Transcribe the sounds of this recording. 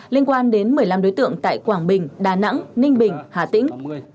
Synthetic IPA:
li˧ənkwaː˧nɗe˨˦nmɨ˨˩əjla˧mɗo˨˦jt̪ɨ̰˧˨əŋt̪a̰ː˧˨jkwaː˧˩ŋɓï˨˩ŋ̟ɗaː˨˩na̰˧˥ŋnï˧ŋ̟ɓï˨˩ŋ̟haː˨˩t̪ḭ̈˧˥ŋ̟

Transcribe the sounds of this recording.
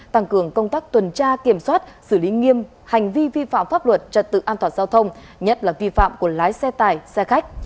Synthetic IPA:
t̪a˧ŋkɨ˨˧˩əŋkə˧wŋ͡mt̪aː˦˥k̚t̪wə˨˩nt͡ɕaː˧ki˧˩əmswaː˦˥t̚sɨ˧˩li˨˦ŋi˧əm | ha˨˩jŋ̟vi˧vi˧fa̰ː˧˨mfaː˦˥p̚lwə˨˩t̚t͡ɕə˨˩n̚t̪ɨ̰˧˨ʔaː˧t̪ʰwaː˨˩nzaː˧wt̪ʰə˧wŋ͡m | ɲə˦˥t̚laː˨˩vi˧fa̰ː˧˨mku˧˩əlaː˨˦jsɛ˧t̪aː˨˩jsɛ˧xa˦˥jk̟̚

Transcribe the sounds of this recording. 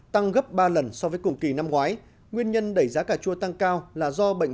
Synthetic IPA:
t̪a˧ŋɣə˦˥p̚ɓaː˧lə˨˩nsɔ˧vəː˨˦jkʊ˨˩ŋ͡mki˨˩na˧mŋwaː˨˦j | ŋwi˧ənɲə˧nɗə˧˩jzaː˨˦kaː˧˩t͡ɕu˧ət̪a˧ŋkaː˧wlaː˨˩zɔ˧ɓə̰˧˨ŋ̟

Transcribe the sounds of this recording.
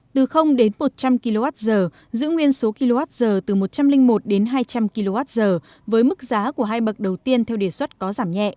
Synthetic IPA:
t̪ɨ˨˩xə˧wŋ͡mɗe˨˦nmo˨˩t̚t͡ɕa˧mki˧lo˧vaː˦˥t̚zəː˨˩ | zɨ̰˧˥ŋwi˧ənso˨˦ki˧lo˧vaː˦˥t̚zəː˨˩t̪ɨ˨˩mo˨˩t̚t͡ɕa˧mlï˧ŋ̟mo˨˩t̚ɗe˨˦nɦaː˧jt͡ɕa˧mki˧lo˧vaː˦˥t̚zəː˨˩ | vəː˨˦jmɨ˦˥k̚zaː˨˦ku˧˩əɦaː˧jɓə˨˩k̚ɗə˨˩wt̪i˧ənt̪ʰɛ˧wɗe˨˩swə˦˥t̚kɔ˨˦zaː˧˩mɲɛ̰˧˨ʔ

